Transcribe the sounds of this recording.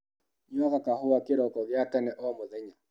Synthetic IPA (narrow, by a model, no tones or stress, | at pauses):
ɲɔɣakahowakeɾɔkɔɣjatɛnɛʔɔmoðɛɲa